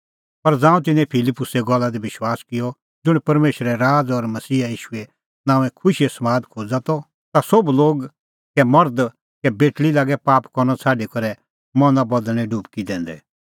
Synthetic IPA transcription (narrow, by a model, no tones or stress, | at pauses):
pɐɾd͡zãːũt̪̬ɪnɛ̃pʰɪlɪpːʊsɛɡɔlːad̪iʋɪʃwaːskɪjɔ | d͡zʊɽ̃pɐɾmeːʃɾɛɾaːd͡zɔɾmɐsiːajiːʃʊɛ | nãːɛ̃kʰʊʃiɛsɐmaːd̪kʰoːd͡zat̪ɔ | t̪asɔbloːɡ | kɛmɐɾd̪ | kɛbeːʈɭilaːɡɛpaːpkɔɾñɔt͡sʰaːɖikɔɾɛ | mɔ̃nabɐd̪əɽ̃ɛ̃ɖuːpkid̪ɛ̃ːn̆d̪ɛ̰